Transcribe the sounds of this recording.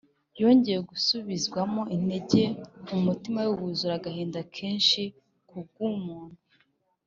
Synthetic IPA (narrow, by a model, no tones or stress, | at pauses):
jo̞ːɲɟe̞jeɡusuβizɡwamo̞ʔine̞ɟe̞umutimajuhuzuɾaɡaheːndakʰe̞ːnʃi | kub̚ɡumuːn̥hu